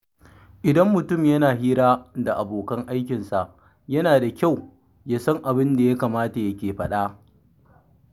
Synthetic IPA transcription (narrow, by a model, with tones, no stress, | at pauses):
ʔɪ˨dɐ˦mːʊ˨tʊ˦˨mjɐ˦naː˨ɦiː˦ɾaː˦da˨ʔa˨boː˨kɐ˦ŋʔa˦jkʲɪ˨nsa˨ʔ | jɐ˦naː˨da˨kʲa˦˨w | jaː˦sɐ˦ŋʔa˨bɪ˦nda˨ja˦kaː˨maː˦ta˨jɐ˦kʲeː˨ɸɐ˦ɗaː˦